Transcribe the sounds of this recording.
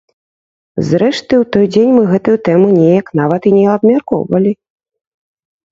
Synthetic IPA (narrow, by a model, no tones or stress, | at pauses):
zɾɛʂt̪ɨwt̪ɔjd͡zʲenʲmɨɣɛt̪ujut̪ɛmɨnʲejɐknavɐt̪inʲɛɐbmʲarkɔ̰wvɐlʲi